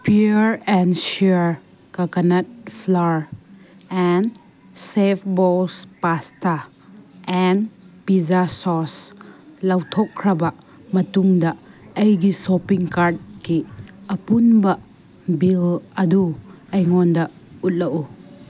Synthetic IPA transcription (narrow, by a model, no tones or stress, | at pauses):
pʰiɾɛnʃiɾ | kɐkɐnɐt̚pʰlaɾ | ɛn | sepʰbɔlspasta | ɛnpizasɔslawtʰɔkʰːɾɐbɐ | mɐtuŋdɐɐjɡisopiŋkaɾt̚kiɐpunbɐ | bilɐdu | ɐjŋɔndɐ | ut̚lɐʔu